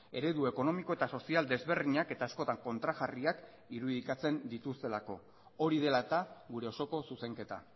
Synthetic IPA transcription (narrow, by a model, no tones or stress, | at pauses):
e̞ɾe̞ðue̞ko̞no̞miko̞e̞t̪aso̞siald̪e̞zβe̞ɾðiɲake̞t̪aːsko̞t̪aŋko̞nt̪ɾaɣariak | iɾuðikat͡se̞nd̪it̪ust̪e̞lako̞ | o̞ɾið̞e̞lat̪aɣuɾe̞oso̞ko̞suse̞ŋke̞t̪a̰